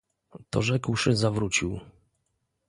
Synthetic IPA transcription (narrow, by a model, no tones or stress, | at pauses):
t̪ɔ̰ʐɛkwʂɘzavɾut͡ɕiw